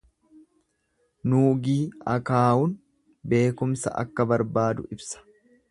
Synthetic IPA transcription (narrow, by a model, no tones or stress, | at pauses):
nuːɡiːɐkaːʊn | be̞ːkʊmsɐ̰ʔɐ̰kːɐbɐɾbaːd̪ʊʔɪbsɐ̥